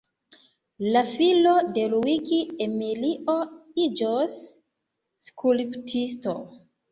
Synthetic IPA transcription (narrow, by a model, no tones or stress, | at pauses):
lafilode̞luikiemiliʔoid͡ʒosː | kʰulptʰisto